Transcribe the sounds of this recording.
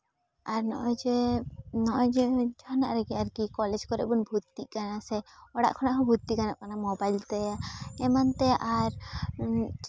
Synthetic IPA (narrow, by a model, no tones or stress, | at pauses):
aɾnɔ̰ʔɔd͡ʒɛnɔʔɔd͡ʒɛd͡ʒʱɔna̰ʔɾɛɡiaɾkikɔlɛd͡ʒkɔɾɛ̰bunbʱut̪ːiʔkanasɛɔɽa̰ʔkʰɔnaʔkʰɔbʱut̪ːikanaʔkanamɔbajlt̪ɛaɛmant̪ɛʔaɾ